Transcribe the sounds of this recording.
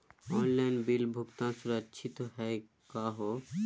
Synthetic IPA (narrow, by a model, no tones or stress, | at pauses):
ɔnlajnbilbʱokt̪ansuɾatːʃʰit̪oɦɛe | kaɦo